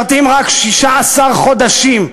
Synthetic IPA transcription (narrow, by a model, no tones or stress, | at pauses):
ʁt̪imʁakʃiʃaːsaʁχo̞d̪aʃim